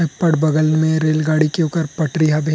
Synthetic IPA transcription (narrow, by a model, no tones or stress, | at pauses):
pəɽbɐɡəlnmẽɾeːlɡaːɽikeuːkəɾpɐʈɾiɦabʱeː